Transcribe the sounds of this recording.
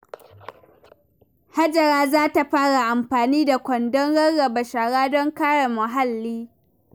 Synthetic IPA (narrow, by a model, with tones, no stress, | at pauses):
ha˦d͡ʒɐ˨ɽaː˦zaː˦ta˨ɸaː˦ɽa˨ʔa˨mɸaː˨niː˦da˨kʷɔ˨ndɔ˦ŋɽɐ˦ɽːɐ˨ba˨ʃaː˨ɽaː˦dɔ˦ŋkaː˦ɽa˨mʊ˨ɦa˦lːiː˦